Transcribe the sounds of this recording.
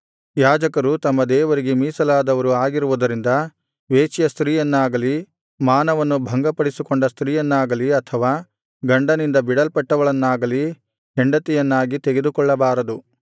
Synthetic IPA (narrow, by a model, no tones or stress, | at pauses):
jaːd͡ʒɐkɐɾut̪ɐmːɐd̪ɛːʋɐɾiɡemiːsɐlaːd̪ɐʋɐɾuaːɡiɾuʋud̪ɐɾind̪ɐ | ʋeːt͡ʃjɐst̪ɾiːjɐnːaːɡɐli | maːnɐʋɐnːubʱɐŋɡɐpɐɽisikoɳɖɐst̪ɾiːjɐnːaːɡɐliɐt̪ʰɐʋaː | ɡɐɳɖɐnind̪ɐbiɽɐlpɐʈːɐʋɐɭɐnːaːɡɐli | ɦɛɳɖɐt̪ɛjɐnːaːɡit̪eɡed̪ukɔɭːɐbaːɾɐd̪u